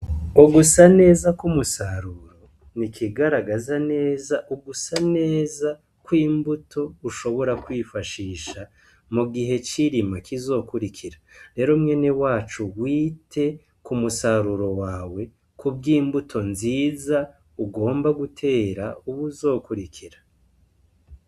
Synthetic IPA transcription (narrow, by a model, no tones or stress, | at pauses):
uɡusane̞ːzakumusaɾuɾo̞ | nikʰiɡaɾaɡazane̞ːzaʔuɡusane̞ːza | kwiːmbutʰo̞uʃo̞βo̞ɾakwiːfaʃiːʃa | muɡiɦe̞t͡ʃiɾimakizo̞kuɾikʰiɾaɾe̞ɾomŋe̞newaːt͡ʃuwiːtʰe̞ | kumusaɾuɾo̞waːwe̞ | kubɡiːmbutʰo̞nziːza | uɡo̞ːmbaɡutʰe̞ːɾauβuzo̞ːkuɾikʰiɾa